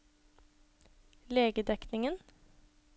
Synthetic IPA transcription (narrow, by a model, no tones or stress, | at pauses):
leːɡəd̪ɛknɪŋən